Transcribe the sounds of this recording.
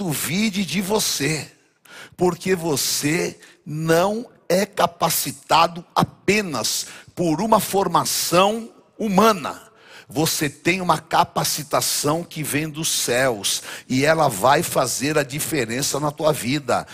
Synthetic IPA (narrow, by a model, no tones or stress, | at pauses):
d̪ʊvid͡ʒɪd͡ʒɪvose | poɾkevose | nɐ̃w̃ | ɛkapasit̪ad̪ʊapẽnɐspoɾũmɐfoɾmasɐ̃w̃ | umɐ̃nɐ̰ | voset̪ẽj̃ũmɐkapasit̪asɐ̃w̃kɪvẽj̃d̪ʊsɛwsɪɛlɐvajfazeɾɐd͡ʒifeɾẽsɐnɐt̪uɐvid̪ɐ̰